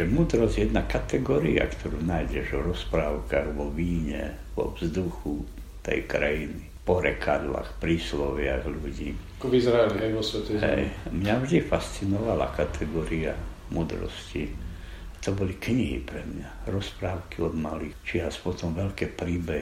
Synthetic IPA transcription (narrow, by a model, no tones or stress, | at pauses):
ʒɛmuːd̪ɾɔzɟjɛd̪nakat̪ɛɡɔɾia̰kt̪ʰɔɾuːnaːjɟɛʒɔɾɔspɾaːʊkaɣʋɔʋiːɲɛ̰ | ʋɔ̰vzd̪uxu | t̪ɛ̰jkɾajinipɔɾɛkʰad̪la̰xpɾiːslɔʋɪaɣluɟiːakɔʋizɾaɛliɦɛjʋɔsʋɛt̪ɛɦɛ̰jmɲavʒd̪ifast̪t͡sinɔʋala̰kat̪ʰɛɡɔɾia̰ | muːd̪ɾɔ̰sci | at̪ɔbɔlikɲiɦḭpɾɛmɲaɾɔspɾaːʊkiɔd̪malit͡ʃiaspɔt̪ɔmʋɛʎkɛːpɾiːbɛɦ